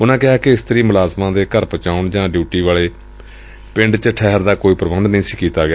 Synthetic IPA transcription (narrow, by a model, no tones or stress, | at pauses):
ʊnãːkɪɦaːkɪɪst̪əɾiːmʊlaːzmãːd̪eːkəɾpət͡ʃaːʊɳd͡ʒãːɖjuːʈiːʋaːleː | pɪ̃ɳɖt͡ʃəʈʰɛːɦəɾd̪aːkoːiːpɾəbənd̪nəɦĩːsiːkiːt̪aːɡɪaː